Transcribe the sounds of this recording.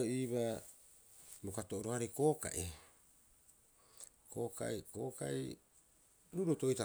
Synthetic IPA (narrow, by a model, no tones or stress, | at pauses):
iβa | bokatoʔoɾoaɾeko̞ːka̰ʔi | koːka̰ikoːka̰ḭ | ɾuɾotoita